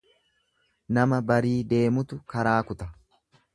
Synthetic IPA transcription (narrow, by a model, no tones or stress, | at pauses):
nɐmɐbɐɾiːd̪e̞ːmʊt̪ʊkɐɾaːkʊt̪ɐ